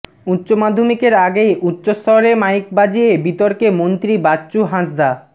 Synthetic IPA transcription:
utːɕomad̪ʱːomikeɾaɡejʔutːɕost̪ʰɔɾemajk̚bad͡ʑiebit̪oɾkemont̪ɾibatːɕuɦãsd̪a

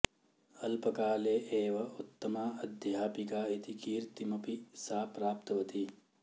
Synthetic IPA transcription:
ɐlpɐkaːleːʔeːʋɐʔut̪ːɐmaːɐd̪ʱjaaːpikaːit̪ikiːɾt̪imɐpisaːpɾaːp̚t̪ɐʋɐt̪i

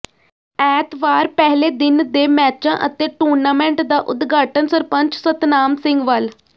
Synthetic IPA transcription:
ɛːt̪ʋaːɾpɛɦleːd̪ɪnd̪eːmɛːt͡ʃãːʔət̪eːʈoːɾnaːmɛ̃ːɳʈd̪aːʔʊd̪ɡaːʈənsəɾpəɲt͡ʃsət̪naːmsɪ̃ŋɡʋəl

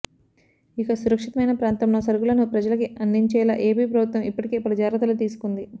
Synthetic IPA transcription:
ikɐsuɾɐkʂit̪ɐmɐjnɐpɾaːnt̪ɐmloːsɐɾɡulɐnupɾɐd͡ʒɐlɐkiɐnd̪iɲt͡ʃɛːla̰ʔeːpiːpɾɐbʱut̪ʋɐmipːɐʈike̞ːpɾɐd͡ʒaːɾɐt̪̬ɐlut̪iːsu̥kund̪i

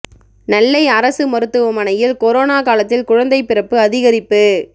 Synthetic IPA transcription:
nɐlːɐɪɐɾɐsɯmɐɾɯt̪ːɯʋɐmɐnɐjɪlkɔɾoːnaːkaːlɐt̪ːɪlkʊɻɐnd̪ɐɪpːɪrɐpːɯɐðɪɣɐɾɪpːɯ

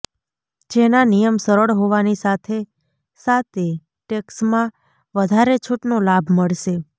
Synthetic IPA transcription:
d͡ʒenanijəmsəɾəɭɦoʋanisat̪ʰe | sat̪e | ʈeksmã | ʋəd̪ʱaɾet͡ʃʰuʈnolabʱməɭʃe

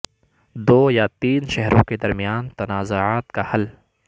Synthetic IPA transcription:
d̪oːjat̪iːnʃɛɦɾõked̪ɐɾmijaːnt̪ɐnaːzoaːt̪kahɐl

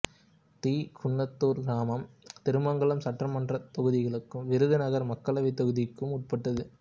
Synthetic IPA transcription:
t̪iːkʰʊɳːɐt̪ːuːɾɡɾaːmɐmt̪ɛɾɯmɐŋɡɐɭɯmsɐʈːrɐmɐndrɐt̪ɔɣɯðɪɣɐɭɯkːɯmʋɪɾɯðɯnɐɣɐɾmɐkːɐɭɐʋɪt̪ːɔɣɯðɪkːɯmʊʈ̚pɐʈːɐðɯ

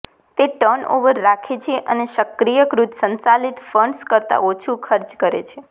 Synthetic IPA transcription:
t̪eʈəno̰ʋəɾːakʰet͡ʃʰeʔəneʃəkɾijəkɾut̪sənt͡ʃalit̪fəɳskəɾt̪a̰ʔot͡ʃʰukʰəɾt͡ʃkəɾḛt͡ʃʰe

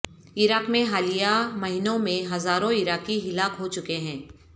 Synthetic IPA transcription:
ɪɾaːkmẽɦaːlijamɐɦɪnõmẽɦɐzaːɾõɪɾaːkiɦɪlaːkɦot͡ʃʊkeɦɛ̃ː

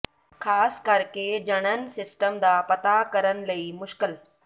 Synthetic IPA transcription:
kʰaːskɐɾked͡ʒɐɽ̃ən̆sɪsʈəmd̪aːpɐt̪akɐɾəñlɐimʊʃkɪl

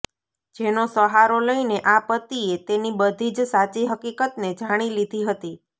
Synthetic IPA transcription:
d͡ʒenosəɦaɾoləineʔapət̪iet̪enibəd̪ʱid͡ʒsat͡ʃiɦəkikət̪ned͡ʒaɽ̃ilid̪ʱiɦət̪i

